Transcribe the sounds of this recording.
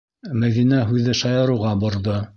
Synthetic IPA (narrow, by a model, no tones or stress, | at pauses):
mæðinæɦʉðɘʃɑjɤ̆ɾuʁɑbŏɾðo